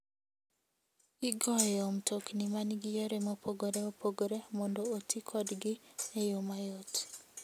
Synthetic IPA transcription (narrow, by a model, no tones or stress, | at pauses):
iɡɔjomtʰoknimaniɡijoɾemɔpoɡoɾeopʰoɡoɾemɔndootʰikʰɔdɡɪejomajot